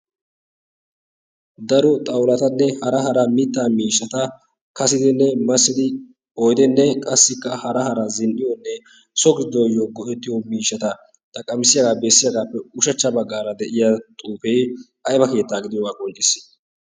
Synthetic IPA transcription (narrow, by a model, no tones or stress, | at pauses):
d̪ɐɾɔt̪ʼɐwlɐt̪ɐnːɛhɐɾɐɦɐɾɐmɪt̪ːaːmiːʃːɐt̪ɐ | kɐsɪd̪ɪnːɛmɐsːɪd̪ɪ | ɔjd̪ɛnːɛkʼɐsːɪkːɐhɐɾɐɦɐɾɐzɪnʔɪjɔnːɛ | sɔɡɪd̪ojːoɡɔʔɛt̪ːɪjɔmiːʃːɐt̪ɐ | t̪ʼɐkʼːɐmɪsɪjɐɡaːbesːɪjɐɡaːpːɛʊʃɐt͡ʃːɐbɐɡːaːɾɐd̪ɛʔɪjat̪ʼuːfɛj | ɐjbɐke̞ːt̪ːaːɡɪd̪ɪjɔɐkɔnt͡ʃʼɪsɪ̥